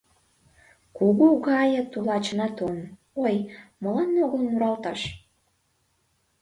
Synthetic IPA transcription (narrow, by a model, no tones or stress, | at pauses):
kuɣuɣɑjə̆t̪ulɑt͡ɕənɑt̪on | ojməlɑnoɣəlmuɾɑlt̪ɑʃ